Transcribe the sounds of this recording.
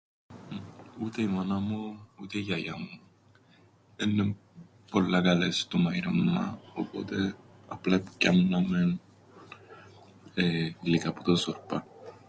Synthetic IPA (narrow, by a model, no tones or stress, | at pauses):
ut̪eimanamout̪ejajamo | enːe | polːaɡalest̪umajɾamːa̰opot̪e | aplaipkːanːamen | elikapu̥t̪osoɾpa